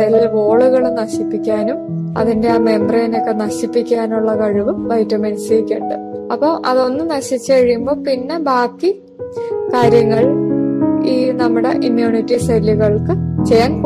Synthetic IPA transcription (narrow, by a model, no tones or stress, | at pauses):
elilo̞ːɭuɣɐɭunɐɕipːikʲːaːnumɐ̰ðinde̞aːme̞mbrɐjɐno̞kːenɐɕipːikʲːaːnuɭːɐkɐɻuʋɨʋɐjtːɐmɐnɐsɐɾikʲːeɳɖɨɐpːoːʔɐðo̞nːɨnɐɕit͡ɕːɨkɐɻijumbo̞ːpinːe̞baːkːi | kaːɾjɐŋːɐɭ | iːnɐmːuɽe̞̰ʔimjuːɳitːisɐlːiɣɐɭkɨt͡ɕejaːn